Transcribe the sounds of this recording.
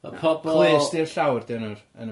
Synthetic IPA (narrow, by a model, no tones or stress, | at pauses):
pʰɔbʰlˠesdiəɬawrd̥ɪnʊr | ə̰n